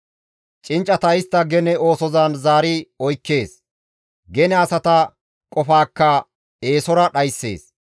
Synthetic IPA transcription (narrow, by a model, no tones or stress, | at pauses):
t͡ʃʼɪnt͡ʃʼːɐt̪ɐɪst̪ːɐɡɛnɛo̞ːsɔzaːnzaːɾɪɔjkːe̞ːs | ɡɛnɛɐsɐt̪ɐ | kʼɔfaːkːɐ | e̞ːsɔɾɐɗɐjsːḛːs